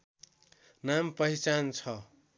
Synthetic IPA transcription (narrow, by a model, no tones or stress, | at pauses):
nampʌit͡sant͡sʰʌ